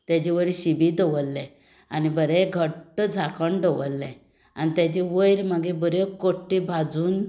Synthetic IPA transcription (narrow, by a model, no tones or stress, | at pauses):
t̪jat͡ɕiʋəjɾɕibid̪əʋəlːɛ̃ | anibəɾẽɡʱəʈəd͡zʱakəɳɖəʋəlːɛ̃ | a̰nit̪jat͡ɕeʋəjɾməɡebəɾekoʈːibʱad͡zuːn